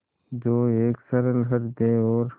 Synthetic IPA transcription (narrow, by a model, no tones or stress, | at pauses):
d͡ʒoːeːksəɾəlɦəɾd̪eːɔːɾ